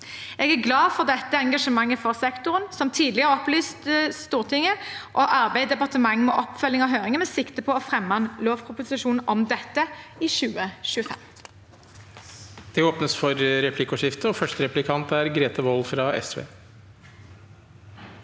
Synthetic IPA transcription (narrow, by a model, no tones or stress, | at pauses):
eːɡæʁɡlɑːfɔʁd̪ɛt̪ːəɛŋɡɑʂəmɑŋːəfɔʁsɛkt̪ʊʁənsɔmt̪ʰiːd̪lɪəʁɔplyːst̪st̪uːʁt̪ʰɪŋːəʔɔʔɑʁbæɪd̪ɛpɑʁt̪əmɑŋːmɛʔɔpfœlːɪŋɔɦøːʁɪŋəmɛːsɪkt̪əpʰɔɔfʁɛmːɑnloːʋkʰʁʊpʊsɪʃuːnn̩ʔɔmd̪ɛt̪ːəɪʃʉːəʃʉːəfɛ̰m | d̪̥ɛoːpnəsfɔɾɾɛpʰlɪkʊʂɪft̪əɔfœʂʈəɾɛplɪkʰɑnt̪æɾɡɾeːt̪ɑʋɔlfɾɑɛ̰sʋḛː